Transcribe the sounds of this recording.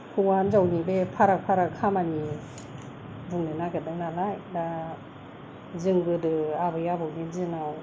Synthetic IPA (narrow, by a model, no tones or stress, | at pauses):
kʰɯwanzawnibepʰaɾak̚pʰaɾakʰamani | buŋnɯnaɡadɯŋnalajda | zɯŋɡɯdɯabɯjabawnizɯnaw